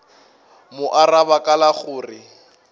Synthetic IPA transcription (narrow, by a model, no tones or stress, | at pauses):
mʊʔarabakʼalaχʊːrɪ